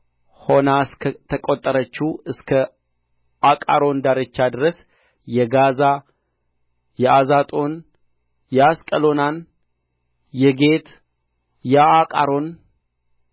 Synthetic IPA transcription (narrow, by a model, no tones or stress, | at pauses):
ho̞nasʰt̪ʰəkʼot̪ʼːəɾət͡ʃːuɨskʰə | akʼa̰ɾo̞nd̪aɾet͡ʃːad̪ɨɾəs | jɛɡaza | jɛʔazat̪ʼo̞n | jɛaskʼəlo̞nan | jɛɡe̞t̪ | jaakʼaɾo̞n